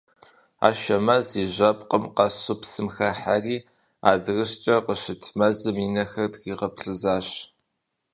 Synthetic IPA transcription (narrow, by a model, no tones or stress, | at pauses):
a̰ːʃɐmɐziʒɐpʼqʼəmqɑsʊpsɨmxɐħariː | a̰ːdɨɣɨɕt͡ʃʼɐqəʃɨtʰmɐzɨmiːnɐxɐrdɣiːʁɐpɬɨzaːɕ